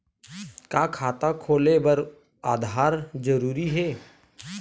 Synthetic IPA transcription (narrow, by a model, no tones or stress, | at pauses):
kaːkʰaːt̪akʰoːlebɐɾ | aːd̪ʱaːɾd͡ʒəɾuːɾiɦɛː